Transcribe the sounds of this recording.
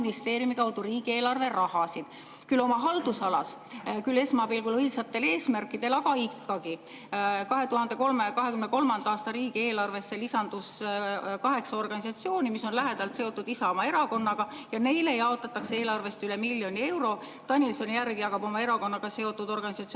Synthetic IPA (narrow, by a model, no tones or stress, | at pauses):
nist̪e̞ːɾjumikɑwd̪uriːɡ̥ie̞ːlɑrve̞rɑhɑsid̪̥ | kylo̞mɑɦɑld̪̥usɑlɑs | kyle̞smɑbilɡulɤisɑt̪ːˑe̞le̞ːsmærkˑːid̪̥e̞lɑɡ̥ɑikːɑɡ̥i | kɑɦe̞t̪uɦɑnd̪e̞ko̞lmekɑɦe̞kymneko̞lmɑnd̪ɑɑːst̪ɑɾiːɡ̥ie̞ːlɑrve̞sːe̞lisɑnd̪̥uskɑɦe̞ksɑo̞rɡ̥ɑnʲisɑt̪sio̞ːnimiso̞nlæɦe̞d̪̥ɑlt̪se̞o̞t̪ːˑud̪̥isɑo̞mɑe̞ɾɑko̞nːɑɡ̥ɑ | jɑne̞jlejɑo̞t̪ːˑɑt̪ːˑɑksee̞ːlɑrve̞st̪yle̞milʲːjo̞nie̞wɾo̞ | t̪ɑnʲilso̞njærɡijɑkɑbo̞mɑe̞ɾɑko̞nːɑɡ̥ɑseo̞t̪ːˑud̪̥o̞rɡ̥ɑnʲisɑt̪s